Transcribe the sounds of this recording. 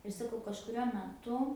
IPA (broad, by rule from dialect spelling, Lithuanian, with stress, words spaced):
ɪr sɐˈkɐʊ kɐʃkʊˈrʲuɔ mʲɛˈtʊ